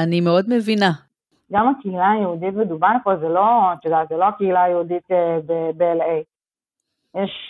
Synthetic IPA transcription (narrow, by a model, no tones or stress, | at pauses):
animeo̞d̪mevina | ɡamakeilajeud̪it̪med̪ubaʁkolzelo̞at̪od̪at̪zeloakeilajeud̪it̪ebebeelej | jeʃ